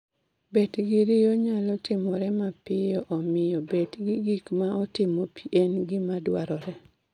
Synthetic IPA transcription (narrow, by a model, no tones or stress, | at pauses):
bedɡɪɾɪjoɲalɔtɪmɔɾɛmapɪjɔʔɔmɪjɔbedɡiɡikmaɔtɪmopʰiʔɛnɡɪmadwaɾɔɾɛ